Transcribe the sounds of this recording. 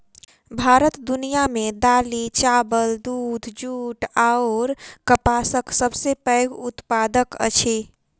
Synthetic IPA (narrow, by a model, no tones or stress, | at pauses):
bʱaɾət̪d̪unijamed̪alit͡ʃabəld̪uːd̪ʱd͡ʒuʈaoɾkəpasəksəbsepəɪɡut̪pad̪əkə̰t͡ʃʰe